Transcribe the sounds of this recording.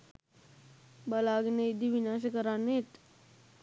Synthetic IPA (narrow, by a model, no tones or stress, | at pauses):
bəlaɡineid̪iʋinaɕ̬əkəɾanet̪